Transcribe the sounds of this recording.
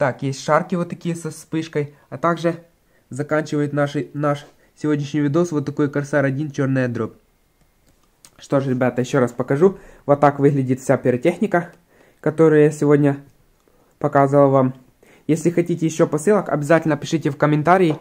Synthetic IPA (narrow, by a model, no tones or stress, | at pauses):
t̪akjesʲtʲʂarkʲɪvot̪ːɐkʲijəsɐspɨʂkəj | ɐt̪aɡʐɨ | zɐkanʲt͡ɕɪvəjʊt̪naʂɨnaʂ | sʲɪvo̞dʲnʲɪʂnʲɪjvʲɪd̪osvot̪ːɐkojkɐɾsaɾɐdʲint͡ɕo̞rnɨjɐd̪ɾop̚ | ʂt̪oʂɾʲɪbʲat̪əjɪɕːo̞ɾaspɐkɐʐuvot̪ːakvɨɣlʲɪdʲɪt̪fsʲapʲɪɾɐtʲexnʲɪkə | kɐt̪oɾɐjəsʲɪvo̞dʲnʲɐ | pɐkazɨvəlˠvam | jesʲlʲɪxɐtʲitʲɪjɪɕːopɐsɨlˠəkɐ̰bʲɪzatʲɪlʲnəpʲɪʂɨtʲɪfkəmʲɪnt̪aɾʲɪː